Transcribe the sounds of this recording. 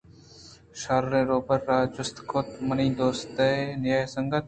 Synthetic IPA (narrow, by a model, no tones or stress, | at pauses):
ʃaːɾɾẽːɾoːbəɾːaːd͡ʒʊst̪kʰoːt̪mənĩːd̪oːst̪ənɪjaːesəŋɡət̪̚